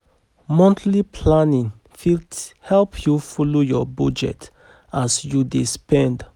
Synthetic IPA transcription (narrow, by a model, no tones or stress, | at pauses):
mɔ̃ntlipʰlanĩŋ | filhɛlpʰjufolojɔbɔd͡ʒɛ̰t | asjudespɛ̃nd